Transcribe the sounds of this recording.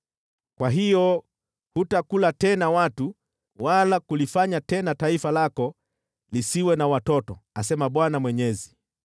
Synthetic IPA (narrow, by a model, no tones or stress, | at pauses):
kwaɦijɔ | hutakulatɛnawatu | walakulifaɲatɛnataifalakɔ | lisiwɛnawatɔtɔ̰asɛmaɓwanamwɛɲɛzi